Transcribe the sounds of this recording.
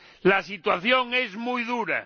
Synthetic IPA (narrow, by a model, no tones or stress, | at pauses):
lasit̪waθjoŋezmujðuɾa̰